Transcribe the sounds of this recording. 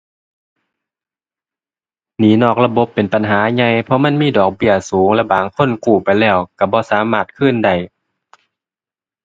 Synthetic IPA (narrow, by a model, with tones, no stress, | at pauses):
niː˨˦nɔː˧˩k̚la˧bo˧˦pːe˨npa˨nɦaː˨˦ɲa˧˥˨jpʰɔ˧ma˧˥˨nmiː˧˥˨dɔː˨˩k̚bi˧˩əsuː˨˦ŋlɛ˧˩baː˨˩ŋkʰo˧˥˨nkuː˧˩pa˨jlɛː˧˩wka˧˩bɔː˧˦saː˨˦maː˧˩t̪̚kʰɯ˧˥˨nda˧˩j